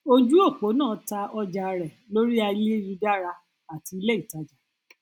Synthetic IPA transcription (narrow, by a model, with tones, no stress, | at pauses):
o˦d͡ʒu˦o˦˨k͡po˨˦nãː˦˨˦ta˧ɔ˧d͡ʒa˧ɾɛ˨lo˦ɾi˦a˧˦le˦ɾi˧da˦ɾa˧ | a˨ti˧i˧˦le˦i˦˨ta˧d͡ʒa˨